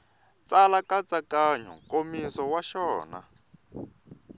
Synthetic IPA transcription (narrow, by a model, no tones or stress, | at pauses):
t͡salakat͡sakaɲɔ̰komisɔwaʃɔːna̰